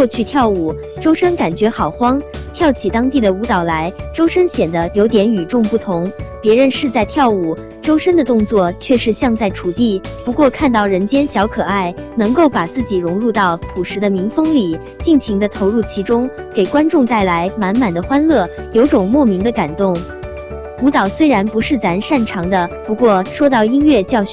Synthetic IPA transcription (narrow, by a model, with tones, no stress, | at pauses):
kwɔ˥˧t͡ɕʰy˥˧t̪ʰjɑ˥˩ʊu˨˩ | ʈ͡ʂo˥ʊʂə˥nka˨˩nt͡ɕɥɛ˧˥xɑ˨˩ʊxwɑ˥ŋt̪ʰjɑ˥˩ʊt͡ɕʰi˨˩t̪ɑ˥ŋt̪i˥˩d̪ə˩u˧˥t̪ɑ˨˩ʊla˧˥ɪʈ͡ʂo˥ʊʂə˥nɕjɛ˨˩nd̪ə˦jo˧˥ʊt̪jɛ˧˥ny˨˩ʈ͡ʂʊ˥˧ŋpu˥˩t̪ʰʊ˧˥ŋpjɛ˧˥ɻə˧˥nʂɻ̩˥˧t͡sa˥˧ɪt̪ʰjɑ˥˩ʊu˨˩ | ʈ͡ʂo˥ʊʂə˥nd̪ə˨t̪ʊ˥˧ŋt͡swɔ˥˩t͡ɕʰɥɛ˥˧ʂɻ̩˥˧ɕjɑ˥˧ŋt͡sa˥˩ɪʈ͡ʂʰu˨˩t̪i˥˩pu˧˥kwɔ˥˧kʰa˥˧nt̪ɑ˥˩ʊɻə˧˥nt͡ɕjɛ˥nɕjɑ˧˥ʊkʰɤ˨˩a˥˩ɪnɤ˧˥ŋko˥˩ʊpa˨˩t͡sɹ̩˥˩t͡ɕi˨˩ɻʊ˧˥ŋɻu˥˧t̪ɑ˥˩ʊt̪ʰu˨˩ʂɻ̩˧˥d̪ə˧mi˧˥ŋfɤ˥ŋli˨˩˦ | t͡ɕi˥˩ŋt͡ɕʰi˧˥ŋd̪ə˧t̪ʰo˧˥ʊɻu˥˩t͡ɕʰi˧˥ʈ͡ʂʊ˥ŋ | ke˨˩ɪkwa˥nʈ͡ʂʊ˥˧ŋt̪a˥˩ɪla˧˥ɪma˧˥nma˨˩nd̪ə˦xwa˥nlɤ˥˩jo˧˥ʊʈ͡ʂʊ˨˩ŋmwɔ˥˩mi˧˥ŋd̪ə˧ka˨˩nt̪ʊ˥˩ŋ | u˧˥t̪ɑ˨˩ʊswe˥ɪɻa˧˥npu˧˥ʂɻ̩˥˩t͡sa˧˥nʂa˥˩nʈ͡ʂʰɑ˧˥ŋd̪ə˧pu˧˥kwɔ˥˩ʂwɔ˥t̪ɑ˥˩ʊi˥nɥɛ˥˧t͡ɕjɑ˥˩˧ʊɕ